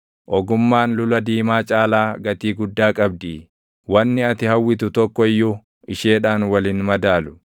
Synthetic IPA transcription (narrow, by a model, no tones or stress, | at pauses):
ʔɔɡʊmːaːnlʊlɐd̪iːmaːt͡ʃʼaːlaːɡɐt̪iːɡʊd̪ːaːkʼɐb̚d̪iː | wɐnːɪɐt̪ɪhɐwːɪt̪ʊt̪ɔkːɔɪjːʊ | ɪʃe̞ːᶑaːnwɐliːnmɐd̪aːlʊ̥